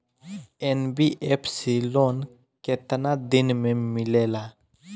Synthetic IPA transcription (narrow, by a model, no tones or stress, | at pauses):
enbiʔepʰsilon | ket̪nad̪inmẽmɪlela